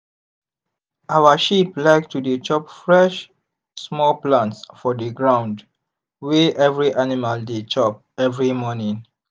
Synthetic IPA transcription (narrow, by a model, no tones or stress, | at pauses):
awəʃiplaɪktudet͡ʃɔp̚fɹɛʃ | smɔlplãntsfɔdəɡɹãʊ̃nd | weʔɛvɹiʔanimaldet͡ʃɔp̚ɛvɹimɔnĩŋ